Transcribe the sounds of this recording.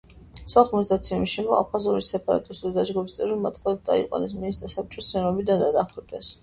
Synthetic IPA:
saχmɔsd̪at̪sʰɛmiʃimɔa̰pʰazɔɾisɛpʼaɾa̰t̪ʼist̪ʼud̪id̪ad͡ʒɡɔbist̪ʼɛɾɔmat̪ʰkʰad̪̚d̪a̰ḭqʼwa̰nɛsminist̪asap̚t͡ʃʼɔsɛɾɔbid̪and̪ad̪aχɾt̪ʼɛs

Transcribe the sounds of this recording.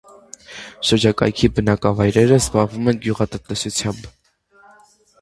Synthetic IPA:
ʃəɾd͡ʒɑkɑ̰jkʰibənɑkɑvɑjɾɛɾəzbɑʁvumɛnɡjuʁɑt̪ənt̪ɛsut͡sʰjɑmb

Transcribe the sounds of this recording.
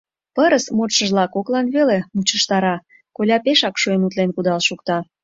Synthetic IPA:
pəɾəsmot̪ʃəʒlɑkoklɑnβelemut͡ɕəʃt̪ɑɾɑ | kolʲɑpeʃɑkʃuenut̪lenkud̪ɑlʃukt̪ɑ

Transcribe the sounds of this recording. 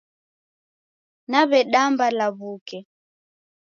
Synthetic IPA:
naβɛɗambalaβukɛ

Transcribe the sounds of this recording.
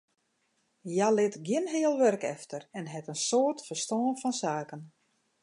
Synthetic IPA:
jalɪtɡjɪnɦɪəlˠʋørkɛ̰ftərɛnɦɛtənsoːrtfərstɔːənfɔnsaːkən

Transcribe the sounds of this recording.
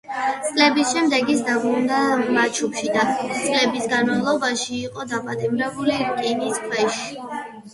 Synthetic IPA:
t̪sʼlɛbisʃɛmd̪ɛɡisd̪abɾund̪amat͡ʃʰupʃid̪at̪sʼlɛbisɡanmavlˠɔbaʃiːqʼɔd̪apʼat̪ʼimɾɛbulikʼiniskʰwɛʃi̥

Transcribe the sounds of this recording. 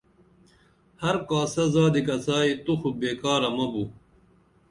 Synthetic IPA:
hɐɾkaːsɐzaːd̪ikɐt͡saːit̪uxubeːkaːɾɐmɐbu

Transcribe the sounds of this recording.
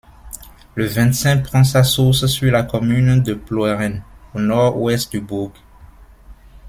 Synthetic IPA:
ləvɛ̃t̪sɛ̃pχɑ̃sasuʁssylakɔmynd̪əplwɛʁɛnonɔʁɛst̪̚d̪ybuʁɡ

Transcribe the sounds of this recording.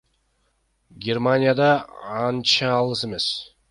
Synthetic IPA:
ɡʲermanʲɪjad̪ɑɑnt͡ʃɑːlˠɯse̞me̞s

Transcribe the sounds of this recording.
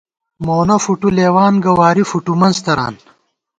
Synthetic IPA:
moːnɐfuʈuleːwaːnɡɐwaːɾifuʈumɐnzt̪ɐɾa̰ːn

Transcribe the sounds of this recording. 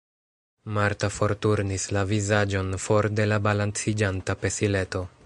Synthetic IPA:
maɾtafo̞ɾtuɾnislavizad͡ʒo̞nfo̞ɾde̞labalant͡sid͡ʒantape̞sile̞to̞

